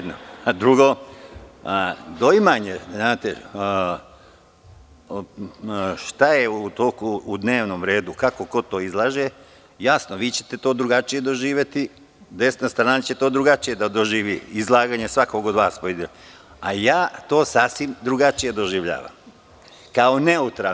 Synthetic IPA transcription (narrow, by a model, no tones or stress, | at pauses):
d̪no̰ad̪ɾuɡo | d̪o̞imaɲeznaːt̪e | ʃt̪ajeut̪okuːd̪ne̞ːʋnomɾe̞ːd̪ukako̞ko̞t̪oːizlˠaːʒe | jasnoʋiːt͡ɕet̪e̞t̪oːd̪ɾuɡat͡ʃije̞d̪o̞ʒiːʋjet̪i | d̪e̞st̪nast̪ɾaːnat͡ɕe̞t̪oːd̪ɾuɡat͡ʃije̞d̪ad̪oʒiːʋiizlˠaːɡaɲesʋako̞ɡod̪ʋaːspoid̪e | ajaːt̪o̞ːsaːsʋimd̪ɾuɡat͡ʃije̞d̪o̞ʒiʋʎa̰ːʋa̰m | kao̞ne̞ut̪ɾa